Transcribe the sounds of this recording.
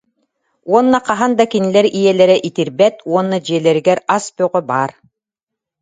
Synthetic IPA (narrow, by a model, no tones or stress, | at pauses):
uɔnːaqaɦand̪akinilɛɾijɛlɛɾɛʔit̪iɾbɛt̪uɔnːad͡ʑiɛlɛɾiɡɛɾaspœʁɔbaːɾ